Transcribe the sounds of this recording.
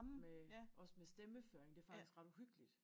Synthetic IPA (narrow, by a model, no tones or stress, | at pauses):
meʔɒ̽smesd̥eməføːɐeŋd̥e̝æɐfɑ̈ɡ̥isɡ̥ʁɑd̥uɦyɡ̥əlid̥